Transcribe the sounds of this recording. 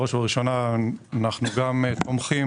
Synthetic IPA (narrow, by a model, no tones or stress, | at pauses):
oʃvaʁiʃo̞naːnaχnuɡamtomχi